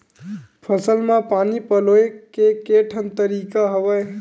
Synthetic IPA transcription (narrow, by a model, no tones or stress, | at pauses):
pʰəsəlmãpanipəloekekeʈʰənt̪əɾikaɦəbəj